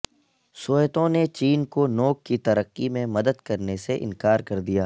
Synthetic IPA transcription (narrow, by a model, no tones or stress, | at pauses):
soːjt̪õnet͡ʃiːnkonoːk̚kːit̪ɐɾəqːimẽmɐd̪əd̪kɐɾneseʔɪ̰̃nkaːɾkɐɾd̪ijaː